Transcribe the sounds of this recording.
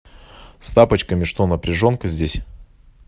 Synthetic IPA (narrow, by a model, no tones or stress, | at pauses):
st̪apət͡ɕkəmʲɪʂt̪o̞nəpɾʲɪʐo̞nkəzʲdʲesʲ